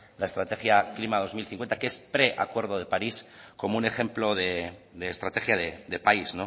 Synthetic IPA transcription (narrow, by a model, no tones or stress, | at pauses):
lae̞st̪ɾat̪e̞xjaklimaðo̞zmilθiŋkwent̪akeespɾe̞ʔa̰kwe̞ɾðo̞ðe̞paɾisko̞moune̞xe̞mplo̞ðe̞d̪e̞ːst̪ɾat̪e̞xjaðed̪e̞paizno̞